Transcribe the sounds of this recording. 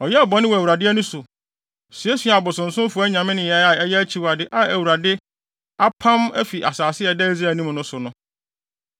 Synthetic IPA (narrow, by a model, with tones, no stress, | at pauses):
ɔ˨jɛ˦a˨bɔ˨nɪ̃˦wɔ˨æ˨wɾa˨dɪ˦ɛ˦nʊ̃˦sʊ˨ | si˨ɛ˦sɥa˨bʊ˨sʊ̃˨n̩˨sʊ̃˦m˦fʊ˨˦æ˦ɲã˨mɪ̃˦nɪ̃˨jɛ˦a˨ɛ˦jɛ˦æ˦t͡ɕʰi˨˦wa˨dɪ˨˦ʔa˨æ˨wu˨ɾa˨dɪ˦ | a˦pʰã˦mæ˦fi˨ʔa̰˨saː˨sɪ˦ɛ˨dɛ˦i˦za˦˨nĩ˦m˨nʊ̃˦sʊ˨nʊ̃˦